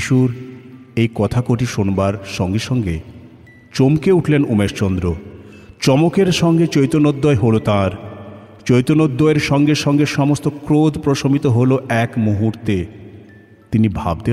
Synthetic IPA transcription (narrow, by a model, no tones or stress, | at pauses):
iʃuɾ | ejkɔt̪ʰakoʈiʃonbaɾʃɔŋɡeʃɔŋɡe | t͡ɕomkeuʈʰlenumeʃt͡ɕɔnd̪ɾo | t͡ɕɔmokeɾʃɔŋɡet͡ɕojt̪onod̪ːɔeɦolot̪ãɾ | t͡ɕojt̪onod̪ːɔeɾʃɔŋɡeʃɔŋɡeʃɔmost̪okɾod̪ʱpɾoʃomit̪oɦoloɛkmuɦuɾt̪e | t̪inibʱa̰b̚d̪e